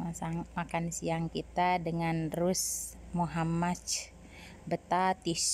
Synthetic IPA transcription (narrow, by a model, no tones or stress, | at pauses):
asamakansiaŋkit̪adəŋanrusmuɦamat͡ʃ | bət̪at̪is